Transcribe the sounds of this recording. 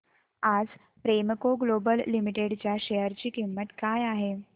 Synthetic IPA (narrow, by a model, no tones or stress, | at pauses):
ad͡z | pɾemkoɡlobəlːimiʈeɽt͡ɕjaɕejəɾt͡ɕiːkimːəʈ̪kajaɦe